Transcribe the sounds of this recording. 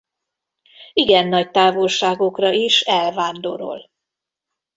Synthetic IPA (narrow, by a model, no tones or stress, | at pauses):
iɡɛnːɒc̚t̪aːvolʃaːɡo̞krɒiʃɛlvaːnd̪oɾo̰l